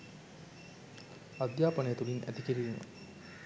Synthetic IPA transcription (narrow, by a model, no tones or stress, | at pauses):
ad̪jaːpənəjət̪ulinʔæ̰t̪ikiɾiːmə̰